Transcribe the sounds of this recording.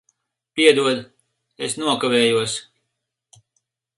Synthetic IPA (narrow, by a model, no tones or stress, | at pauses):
pʲiɛd̪uɔd̪ | esnuɔkavɛːjuɔs